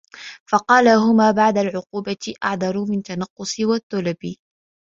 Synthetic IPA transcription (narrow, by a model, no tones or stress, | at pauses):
fɑqɑːlaɦʊmaːbaʕd̪alʕʊquːbaʔa̰ʕd̪ɑɾˤʊmɪnt̪anɑqːʊsˤɪwat̪ːʊlabɪ